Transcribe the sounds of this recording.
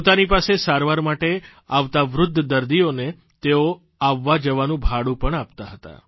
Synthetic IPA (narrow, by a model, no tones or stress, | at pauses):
pot̪anipasesaɾʋaɾmaʈeaʋt̪aʋɾʊd̪ʱːd̪əɾd̪ione | t̪eo | aʋːad͡ʒəʋanũbʱaɽũpəɳap̚t̪aɦət̪a̰